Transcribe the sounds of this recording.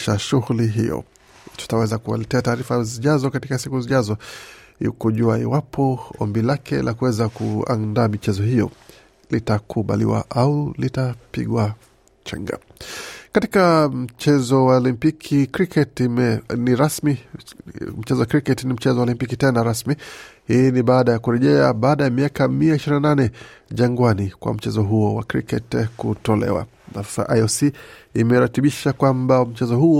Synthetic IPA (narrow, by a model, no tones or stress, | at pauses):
ʃaʃuɣuliɦḭjɔ̰ | tu̥tawɛzakua̰lɛtɛataːɾifaziʄazɔkatikasikuziʄazɔ | ḭkuʄuaḭwapʰɔɔ̰mbilakʰɛlʔakuwɛzakua̰nndaːmit͡ʃɛzɔhijɔ | litakʰuɓa̰lḭwa̰ʔaulitapḭɠwa | t͡ʃɛ̰ŋɡa̰ | katikam̩t͡ʃɛzɔwalimpikʰikɾikʰɛtmɛniɾasmi | m̩t͡ʃɛzɔwakɾikɛtnim̩t͡ʃɛzɔwɔlimpikitɛnaɾasmihiːniɓaːɗajakuɾɛʄɛa̰ɓaːɗajamiakamiaiʃiɾinananɛʄaŋɡwanikwa̰m̩t͡ʃɛzɔɦuɔwa̰kɾḭkɛtkutɔlɛ̰wa̰ | na̰ffa̰ʔajɔsiimɛɾatiɓiʃakwambam̩t͡ʃɛzɔhu